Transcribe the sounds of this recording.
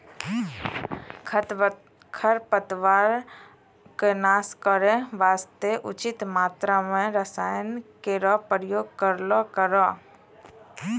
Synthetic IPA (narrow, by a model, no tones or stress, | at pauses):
kʰəɾpət̪ʋaːɾ | kenaːskəɾẽʋaːst̪eʔʊt͡ʃɪt̪maːt̪ɾamẽɾəsaːjənkeɾɔpɾjoːɡ̚kəɾlɔkəɾɔ